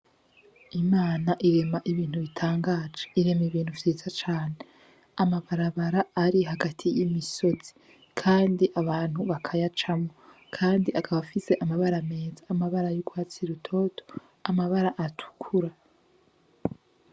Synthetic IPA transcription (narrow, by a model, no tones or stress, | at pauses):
imaːnaʔiɾe̞maʔiβiːn̥huβitʰaːŋɡaːd͡ʒeiɾemiβiːn̥huvjeːzat͡ʃaːne̞ | amaβaɾaβaɾaːɾiɦaɡatʰijimiso̞z̥i̥ | kʰaːndiʔaβaːn̥huβakʰajat͡ʃamŋo | kʰaːndiakʰaβafise̞ʔamaβaɾame̞ːzaːmaβaɾajuɡwaːt͡siɾutʰo̞tʰo̥ | amaβaɾaʔatʰu̥kʰuɾa